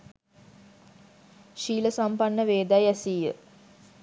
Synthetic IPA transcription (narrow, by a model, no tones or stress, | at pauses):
ʃiːləsampanːəʋeːd̪ajæsijə̰